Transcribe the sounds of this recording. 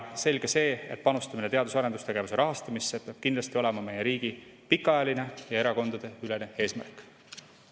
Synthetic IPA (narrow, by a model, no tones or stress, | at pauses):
se̞lɡ̥ese̞ːe̞̰t̪̚pɑnust̪ɑminet̪eɑd̪usɑɾe̞nd̪ust̪e̞ɡ̥e̞vuse̞ɾʔɑɦɑst̪ɑmisːepeɑb̥kind̪lɑst̪io̞le̞mɑme̞jeɾiːɡ̥i | pikːˑɑɑjɑline̞jɑe̞ɾɑko̞nd̪ɑd̪̥e̞yle̞ne̞e̞ːsmæ̰rkˑ